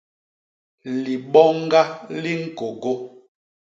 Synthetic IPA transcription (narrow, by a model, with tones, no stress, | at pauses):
li˨ɓɔ˦ŋ˦ɡa˦li˦ŋ̩˦ko˨ɡo˦